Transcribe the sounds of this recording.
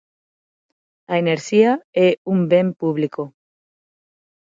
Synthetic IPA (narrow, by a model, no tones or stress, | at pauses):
aeneɾʃiaeumbempuβliko